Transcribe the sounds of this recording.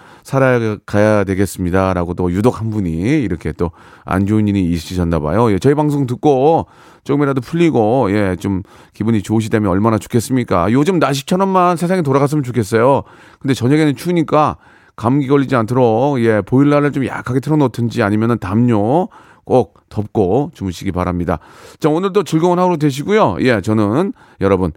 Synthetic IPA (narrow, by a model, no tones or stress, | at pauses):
sʰaɾakajadwe̞ɡe̞s͈ɯmɲidaɾaɡot͈ojudokʰhanbuɲiːɾʌkʰe̞t͈o | a̰nd͡ʑoɲiɲiːɕ͈id͡ʑandaba̰joje̞t͡ɕʌibaŋs̬ʰoŋtɯk̚k͈o | t͡ɕ͈oɡɯmiɾadopʰuʎːiɡoje̞t͡ɕom | kibuɲit͡ɕouɕ̬ʰidemjʌnʌɭmanat͡ɕo̥kʰe̞s͈ɯmɲik͈a̰jod͡ʑomnaɕ̬ʰi̥t͡ɕʰʌɾʌmːansʰe̞sʰaŋit̬oɾaɣas̬͈ɯmjɯnt͡ɕokʰe̞s͈ʌjo | kɯndet͡ɕʌɲaɡenɯnt͡ɕʰuɲik͈a | kamɡiɡʌʎːid͡ʑiantʰɯɾokje̞poiɭːaɾɯɭt͡ɕomja̰kʰaɡe̞tʰɯɾʌnotʰɯnd͡ʑiaɲimjʌnɯntamɲo | k͈ok̚t͈ʌp̚k͈ot͡ɕumɯɕʰiɡipa̰ɾamɲida̰ | t͡ɕaonɯɭtot͡ɕɯɭɡoŋʌnɦaɡoɾodwe̞ɕ̬ʰiɡujojʔe̞t͡ɕʌnɯn | jʌɾʌbun